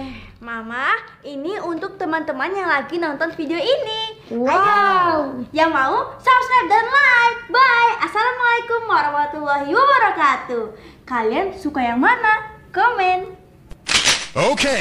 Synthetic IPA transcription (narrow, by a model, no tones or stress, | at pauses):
ɛhmamah | iniunt̪ʊk̚t̪əmant̪əmanjaŋlaɡinɔnt̪ɔnfideoiniwaa | jaŋmausapsap̚dɔnlajf̚bajasalamalajkʊmwaɾahmat̪ulːaɦiwabəɾakat̪ukaliansukajaŋmanakɔmɛn | okʰe